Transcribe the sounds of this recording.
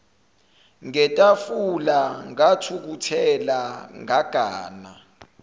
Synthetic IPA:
ŋɛtʼafulaŋatʰuk̬utʰɛlaŋaɡ̥ʱaːna̰

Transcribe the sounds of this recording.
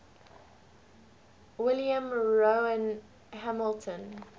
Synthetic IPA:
wɪljə̃mɹoə̃n | ɦæməltʰə̃n

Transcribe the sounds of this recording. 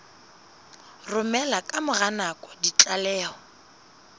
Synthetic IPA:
rʊmɛlakʼamʊɣanakʼɔ̥dit͡ɬʼalɛːɔ

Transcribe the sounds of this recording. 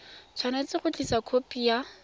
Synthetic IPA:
t͡sʰwanat͡sɪχʊt͡ɬʼisakʰopʼija

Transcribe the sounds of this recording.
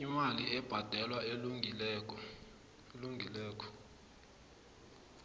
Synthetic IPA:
imaliɛb̥ʱad̥ʱɛlwaelŋilɛkɔ | eluŋʱilɛːkʰɔ̥

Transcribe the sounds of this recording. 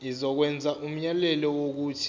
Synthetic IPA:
izɔk̬wɛnd͡zʱaʔum̩ɲalɛlɔwok̬uːtʰi̥

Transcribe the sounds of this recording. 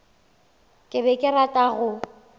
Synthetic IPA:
kʼɪbɛkʼɪratʼaɣʊ

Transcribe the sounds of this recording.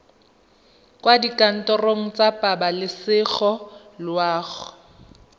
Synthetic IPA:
kʼwadikʼan̩tʼɔroŋ̩t͡sʼapʼabalɪsɪɣɔlwaːɣʊ

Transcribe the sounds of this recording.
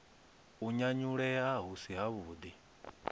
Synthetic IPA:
uɲaɲuɺɛɦaɦusiɦaβuːd̪i

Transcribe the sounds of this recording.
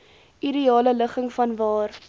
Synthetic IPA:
ʔiɾiɑːlələχəŋfɐnvɑːr

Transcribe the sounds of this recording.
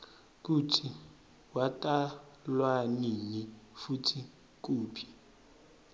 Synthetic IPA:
k̬utʰi | watʼalwaninifutʰi | k̬uːpʰi̥

